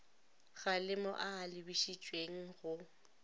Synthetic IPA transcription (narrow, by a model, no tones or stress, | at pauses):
ɣalɪmɔ̰ʔaːlɪbiʃit͡ʃʼweŋ̩ɣʊ